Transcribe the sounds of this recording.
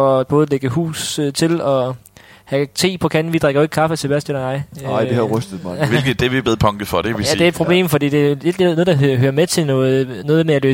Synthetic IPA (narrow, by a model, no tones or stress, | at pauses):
ɒb̥ɔ̽ːðˠleɡ̥əɦṵːst͡sʰe̝lɒ̽ | hæt͡sʰe̝̰ːpʰɒ̽kʰænn̩ʋid̥ʁaɡ̥ɐe̝ɡ̥kʰɑ̈fət͡sʰe̝b̥æɐsd̥elɐnɑ̈ɪ̰ɪ̰d̥ehʁœsd̥ð̩ˠmːʋelɡ̥̩ˠd̥eʋib̥eð̩ˠpʰɒ̽ŋɡ̥əfɒɾ̥eʋijæd̥eæɪd̥̚pʰʁo̝b̥le̝̰ːmfɒ̽d̥ḭːd̥e̝æje̝d̥lenɔːð̩ˠd̥ɑ̈høːɐmet͡sʰe̝nɔð̩ˠnɔ̽ːðˠmeælø̰ː